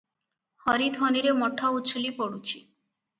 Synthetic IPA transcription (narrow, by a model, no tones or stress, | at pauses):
hɔɾid̪ʱɔniɾemɔʈʰːauːt͡ɕʰulipoɽut͡ɕʰi